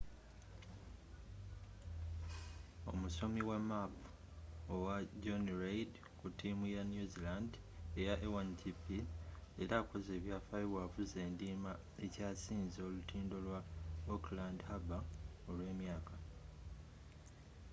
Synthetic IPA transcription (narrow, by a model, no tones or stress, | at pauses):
o̞̰muso̞miwamap | owaɟonɾejd | kutimujanjuziland | e̞jaʔewanɟipieɾaːko̞ze̞ːβjaːfajiwavuze̞ːndiːma | e̞caːsiːnzolutʰiːndo̞lwaoklandhaba | o̞lwe̞ːmjaːka